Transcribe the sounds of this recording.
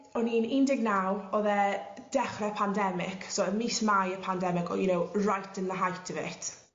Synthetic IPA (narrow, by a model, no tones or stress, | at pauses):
ɔniːnɪndɪɡ̚nawɔðɛ | d̥ɛχrɛpʰandɛmɪksɔəmismajəpʰandɛmɪɡɔ̰junowrajtʰənðəɦajtʰəvɛ̰tʰ